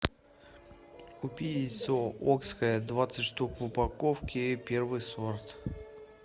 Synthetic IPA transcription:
kʊpʲiɪsookskəjəd̪vat̪sɨtʲʂt̪ukvɨpɐkofkʲɪpʲervɨjsort̪

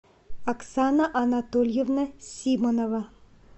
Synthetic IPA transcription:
ɐksanɐʔɐnat̪ɔlʲjeʋnɐsʲimonɔʋɐ

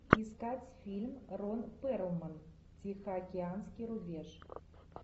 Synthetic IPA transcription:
iskatʲfʲilʲmronpɛɾəlmən | tʲixəakʲeanskʲijɾubʲeʒ

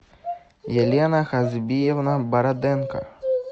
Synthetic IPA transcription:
jelʲɛnɐxazʲbʲijɛvnɐbɐɾad̪ɛnkɐ̰

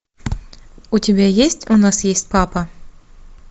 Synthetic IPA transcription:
ʊtʲɪbʲæjesʲtʲʊnɑsjesʲtʲpapɐ

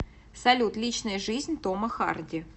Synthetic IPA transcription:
sɐlʲut̪lʲit͡ɕnəjəʐɨzʲnʲt̪oməxa̰rdʲɪ

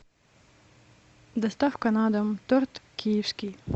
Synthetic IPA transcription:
d̪ɐst̪afkɐnad̪ɐmt̪ɔɾt̪kʰʲijewskʲij

